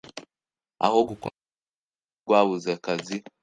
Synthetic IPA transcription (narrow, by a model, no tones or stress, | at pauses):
a̰ɦɔɡuk | ɡwaβuzɛkazi